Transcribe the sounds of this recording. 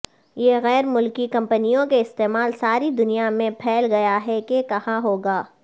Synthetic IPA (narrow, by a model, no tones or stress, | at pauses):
jeɣɛːɾmʊlkikɐ̃mpənijõkeɪst̪eːmaːlsaːɾid̪ʊnijamẽpʰɛːlɡɐjaɦɛkekɐhãɦoːɡaː